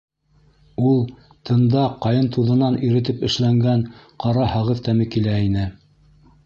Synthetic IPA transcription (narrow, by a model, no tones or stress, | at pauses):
ulˠ | t̪ʰɤ̆nd̪ɑqɑjɤnt̪uðɤ̆nɑniɾɘ̆t̪̬ɘpɘ̆ʃlæŋɡænqɑɾɑhɑʁɤðt̪æmɘkilæinɘ